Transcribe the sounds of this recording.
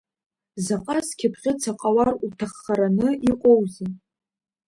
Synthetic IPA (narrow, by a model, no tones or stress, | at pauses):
zaqʼaskʲʰɪpʰχʲɪt͡sʰaqʼawarutʰaχːaɾanɨʔiqʷʼowzɨn